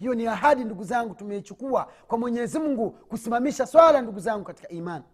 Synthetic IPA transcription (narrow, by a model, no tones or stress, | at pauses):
hijɔniaɦaɗinduɡuzaŋɡutumɛit͡ʃukuakwamwɛɲɛzim̩uŋɡukusimamiʃaswalanduɡuzaŋɡukati̥kaimani